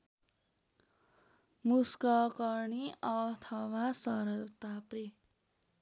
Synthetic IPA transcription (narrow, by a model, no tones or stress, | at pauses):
muskʌkʌɾɳiʌt̪ʰʌwasʌɾʌt̪apre